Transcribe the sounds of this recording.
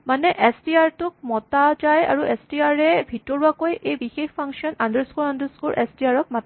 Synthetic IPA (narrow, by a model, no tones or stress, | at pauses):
manɛʔɛstiaɹtʊk̚mɔtad͡ʒaja̰ɹuʔɛstiaɹɛbʱitɔɹuakojʔejbixexpʰaŋksiɔnandəɹskuɹandəskuɹʔɛ̰stiaɹɔk̚mata